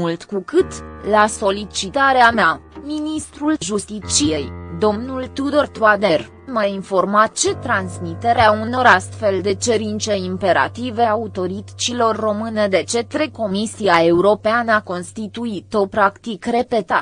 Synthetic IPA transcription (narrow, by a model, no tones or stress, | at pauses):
mult̪kukɨt̪laso̞lit͡ʃit̪aɾeameaminist̪ɾulʒust̪it͡ʃijejd̪o̞mnult̪ud̪ort̪wad̪er | mainfo̞rmat̪t͡ʃe̞t̪ɾansmit̪eɾeauno̞ɾast̪fe̞ld̪e̞t͡ʃeɾint̪t͡ʃe̞impe̞ɾa̰t̪ive̞aut̪o̞ɾit͡ʃilo̞rːo̞mɨned̪e̞t͡ʃe̞t̪ɾeko̞misiae̞uɾo̞peanəako̞nst̪it̪uit̪o̞pɾakt̪ikre̞pe̞t̪a